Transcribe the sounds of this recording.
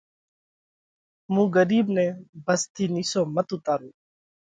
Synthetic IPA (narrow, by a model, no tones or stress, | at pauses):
mũːɡəɾiːbnẽːbəst̪ʰiːniːsoːmət̪ʊt̪aːɾuː